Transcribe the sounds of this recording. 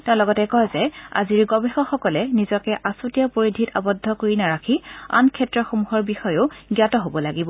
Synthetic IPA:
tɛ̃ʊ̃lɔɡɔtɛkɔjzɛa̰ziɹɡɔbɛxɔxɔkɔlɛnizɔkɛʔasutijapoɹidʱitabɔdʱːɔkoɹinaɹakʰia̰nkʰɛtɹɔxomuɦɔɹbixɔjʊɡjatɔɦobɔlaɡibɔ

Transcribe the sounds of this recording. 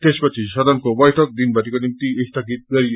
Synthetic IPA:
t̪espʌt͡sʰisʌd̪ʌnkobʌjʈʰʌk̚d̪inbʌʈikonimt̪iest̪aɡit̪̚ɡʌɾi

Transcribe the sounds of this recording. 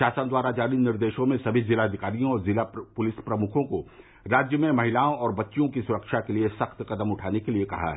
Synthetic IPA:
aːsənd̪waːɾad͡ʒaːninɪɾd̪eːʃõmẽsɐbʱizɪlaːd̪ʱɪkaːɾijõɔːɾzɪlapʊlɪspɾɐmʊkʰõko | ɾaːd͡ʒjəmẽmɐɦɪlaːõɔːɾbɐtːʃijõkisʊɾəkʃakeliesɐxt̪qɐd̪əmʊʈʰaːnekeliekɐ̰ɦa̰ɦɛ

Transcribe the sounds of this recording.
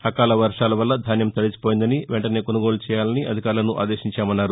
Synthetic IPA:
hɐkaːlɐʋɐɾʂaːlɐʋɐlːɐd̪ʱaːnjɐmt̪ɐɽit͡ʃi̥poːjind̪ɐniʋɛɳʈɐne̞ːkonuɡoːlut͡ʃɛːjaːlɐniʔɐd̪ʱikaːɾlɐnuʔa̰ːd̪eːʃiɲt͡ʃaːmɐnːaːɾu

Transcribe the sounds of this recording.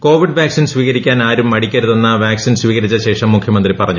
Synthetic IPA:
ko̞ːʋiɖʋjaːksinsʋiːɣɐɾikʲːaːnaːɾumːɐɽikʲːɐɾuðenːɐʋjaːksinsʋiːɣɐɾit͡ɕːɐɕe̞ːʂɐmːukʰjɐmɐnd̪ripɐrɐɲːu

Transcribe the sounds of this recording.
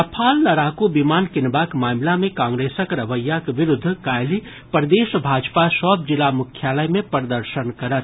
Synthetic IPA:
ɐpʰaːlːɐɾakubimaːnkɪnbakmaːmlamẽkãːŋɡɾeːsəkɾəʋəjːakʋɪɾʊd̪ʱːkajli | pəɾd̪eːsbʱaːd͡ʒpasɔb̚d͡ʒɪlamʊkʰjaːləjmẽpəɾd̪əɾʃənkɐɾət̪̚ʰ

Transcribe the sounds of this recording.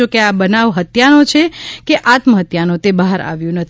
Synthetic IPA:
okeabənaʋɦət̪janot͡ʃʰekeʔat̪məɦət̪janõt̪ebaɦaɾa̰ʋjũnət̪ʰ

